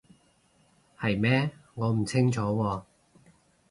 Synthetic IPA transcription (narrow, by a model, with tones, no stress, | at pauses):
hɐ˨jmɛː˥ŋɔː˨˧m̩˨˩t͡sʰɪ˥ŋt͡ʃʰɔː˨˥wɔː˧